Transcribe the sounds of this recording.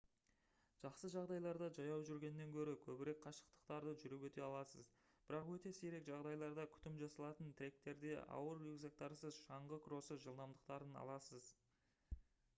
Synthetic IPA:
ʒ̥ɑqsəʒɑʁd̪ɑjlˠɑɾd̪ɑʒɑjɑwʒʏɾɡʲe̞nɪːe̞ŋkʲʰɵɾɪkʲʰɵbɪɾe̞kqʰɑʃə̥qt̪ə̥qt̪ɑɾd̪əʒʏɾɪpwɵt̪e̞ɑlˠɑsəz | b̥ɪɾɑqwɵt̪e̞seɾe̞kʒɑʁd̪ɑjlˠɑɾd̪ɑkʲʰʏ̥t̪ɪmʒɑsɑlˠɑt̪ənt̪ʰɪɾe̞k̚t̪e̞ɾd̪e̞ʔɑ̰wəɾeɡzek̚t̪ɑɾsəzʃɑɴʁəkʰɾo̞səʒəlˠd̪ɑmd̪əq̚t̪ɑɾənɑ̰lˠɑsəz

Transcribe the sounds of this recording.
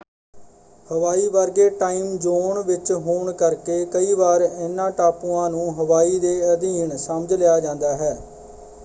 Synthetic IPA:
həʋaːiːʋəɾɡeːʈaːiːmd͡ʒoːɳʋɪt͡ʃɦoːɳkəɾkeːkəiːʋaːɾɪnːãːʈaːpũːãːnũːɦəʋaːiːd̪eːəd̪iːɳsəməd͡ʒlejaːd͡ʒãːnd̪aːɦɛː

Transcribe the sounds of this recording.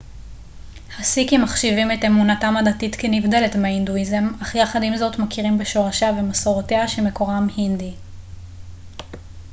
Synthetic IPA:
hasikimaχʃivime̞temunatamadatitkenivde̞letmeainduize̞maχjaχadimzo̞tmakiʁimbeʃo̞ʁaʃaavemasoʁoteaʃeme̞ko̞ʁamhindi

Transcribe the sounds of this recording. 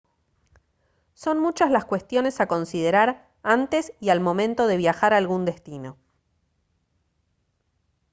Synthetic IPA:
so̞nmut͡ʃazlaskwe̞st̪jo̞ne̞sako̞nsið̞eɾaɾ | ant̪e̞sialmõ̞mẽnt̪o̞ðe̞β̞jaxaɾalɣund̪e̞st̪ino̞

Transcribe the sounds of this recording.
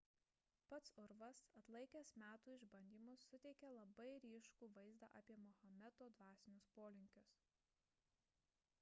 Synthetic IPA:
pɐt̪sʊɾʋɐsɐt̪lˠɐɪkʲesmʲæːt̪uːɪʒbɐnʲd̪ʲiːmʊsːʊt̪ʲɛɪkʲɛlˠɐbɐɪɾʲiːʃkuːʋɐɪzd̪ɑ̰ːʔɑːpʲiɛmɔhɐmʲɛt̪oːd̪ʋɑːsʲɪnʲʊspoːlʲɪŋʲkʲʊs

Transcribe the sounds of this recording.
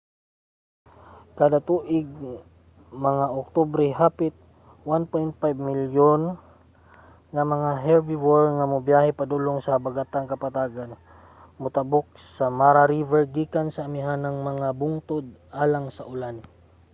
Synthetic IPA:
kad̪at̪uʔɪɡ̚ | mɐŋaʔok̚t̪obɾɛɦaːpɪt̪̚ | wanpojnt̪̚fajbmiljon | ŋamɐŋaɦɛlbiwɔɹŋamʊbjahɛpad̪uloŋsɐbaɡat̪aŋkɐpat̪aːɡan | mʊt̪abʊk̚sɐmaɾaɾivɛɹɡikansɐːmɪɦanɐŋmɐŋabʊŋt̪od̪̚ʔaːlaŋsaʔʊlan

